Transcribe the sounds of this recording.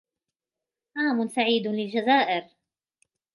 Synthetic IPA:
ʔaːmʊnsaʕiːd̪lɪld͡ʒazaːʔɪɾ

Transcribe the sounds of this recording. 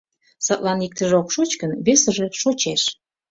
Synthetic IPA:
sɑt̪lɑnik̚t̪ə̆ʒeokʃot͡ɕkənβesə̆ʒe̽ʃot͡ɕeʃ

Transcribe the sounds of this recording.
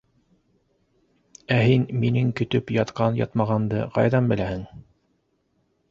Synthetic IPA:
æɦinminɘŋkɵ̆t̪ɵpjɑt̪qɑnjɑ̰t̪mɑʁɑnd̪ɤqɑ̰jðɑnbɘ̆læhɘŋ

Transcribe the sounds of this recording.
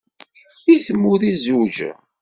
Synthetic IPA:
iθəmːuðizud͡ʒ̰

